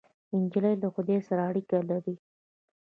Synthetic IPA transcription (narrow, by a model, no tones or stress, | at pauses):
ɪnd͡ʒɪlajlaxʊd̪esaɾaːɽikalaɾi